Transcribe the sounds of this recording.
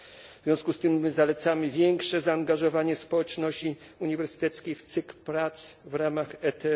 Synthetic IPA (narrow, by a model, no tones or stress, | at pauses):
vʲjɔ̃w̃skust̪ɘmːɘzalɛt̪samɘvʲjɛŋkʂɛzaːŋɡaʐɔvaɲɛspɔwɛt͡ʂnɔɕt͡ɕi | uɲivɛɾsɘ̥t̪ɛt̪skʲejft̪sɘkpɾat̪svɾamaxɛt̪ɛ